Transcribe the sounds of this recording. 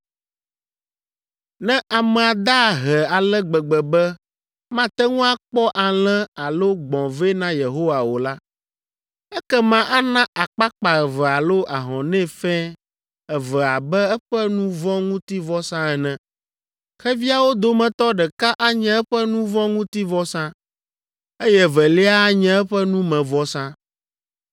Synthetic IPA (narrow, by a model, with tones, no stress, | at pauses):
nɛ̃˦ʔa˨mɛ̃˨a˨d̪a˦˨ɦɛ˨a˨lɛ˦ɡ͡bɛ˨ɡ͡bɛ˨bɛ˦ | mã˦t̪ɛ˦ŋũ˦a˦k͡pɔ˦ʔa˨l̃ɛ̃˦a˨lo˦ɡ͡bɔ̃˨vɛ˦nã˦je˨ɦo˦wa˨wo˨la˦ | ɛ˦kɛ˦mã˨ʔa˦nã˦ʔa˨k͡pa˦k͡pa˨ɛ˨vɛ˨a˨lo˦ʔa˨ɦɔ̃˨nɛ̃˦˨fɛ˦ | ɛ˨vɛ˨a˨bɛ˦ɛ˦ɸɛ˦nũ˦vɔ̃˦ŋũ˦t̪i˦vɔ˦sã˦ɛ˨nɛ̃˨ | xɛ˦vi˦a˨wo˦d̪o˦mɛ̃˨t̪ɔ˦ɖɛ˨ka˦ʔa˦ɲɛ̃˦ɛ˦ɸɛ˦nũ˦vɔ̃˦ŋũ˦t̪i˦vɔ˦sã˦ | e˦jɛ˦vɛ˨lɛ˦a˦a˦ɲɛ̃˦ɛ˦ɸɛ˦nũ˦mɛ̃˨vɔ˦sã˦